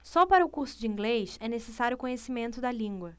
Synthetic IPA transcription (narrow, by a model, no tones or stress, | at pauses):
sɔpaɾɐʊkuɾsʊd͡ʒiĩŋɡlejʃɛnesesaɾjʊkõɲesimẽnt̪ʊd̪ɐlĩŋɡwɐ